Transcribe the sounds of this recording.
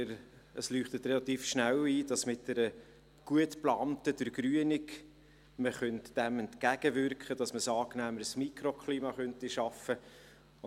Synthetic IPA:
ɾ | əslyːχtətrɛlɑt̪iːfʃnæliːd̥ɑsmɪt̚d̥ɛɾə | ɡ̥uətplɑːmtədəɾɡɾyənɪk | məχœntd̥æmɛntkæɡ̥əvʏɾkχəd̥ɑsməsɑːknæːməɾəsmikɾokχliːmɑχœntiʃɑfə

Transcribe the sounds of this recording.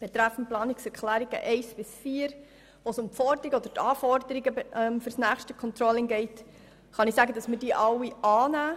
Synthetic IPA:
b̥ɛt̪ɾæfːənplɑːnɪksɛɾklæːɾiɡ̥ə̰ʔɛɪsb̥ɪsfiːəɾ | ʋosʊmpfɔɾdəɾiɡəɔd̥̪əɾtɑːfɔɾd̥əɾiɡəɛmfɵɾsnæːχʃtəkʰɔnt̪ɾɔlɪŋɡɛɪt | χɑnɪsæɡədɑsməd̥iːʔɑwiɑːnæː

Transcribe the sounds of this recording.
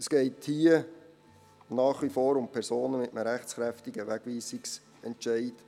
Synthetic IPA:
əsɡ̥ɛɪthiə | nɑːχʋifoːɾʊmpʰɛɾsoːnəmɪtəməɾæχt͡sχɾæftɪɡəʋæɡʋiːsɪks | ɛntʃæɪt

